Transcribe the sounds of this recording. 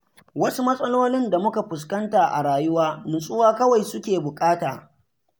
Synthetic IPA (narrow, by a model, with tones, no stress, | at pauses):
wɐ˦su˦mɐ˦sʼɐ˦loː˦lɪ˦nda˨mʊ˦ka˨ɸʊ˨s̬kɐ˦ntaː˨ʔa̰˨ɽaː˨jʊ˦waː˦mɪ˨nsʼʊ˦waː˦kɐ˦wa˨jsʊ˦kʲeː˨bʊ˨kʼaː˦taː˨